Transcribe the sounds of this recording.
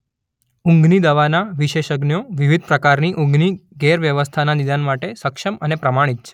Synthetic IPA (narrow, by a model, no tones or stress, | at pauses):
ũŋɡnid̪əʋanaʋiʃeʃəɡnjoʋiʋid̪̚pɾəkaɾniʔũŋɡniɡɛɾʋjəʋəst̪ʰananid̪anmaʈesəkʃəmənepɾəmaɽ̃it̪̚t͡ʃʰe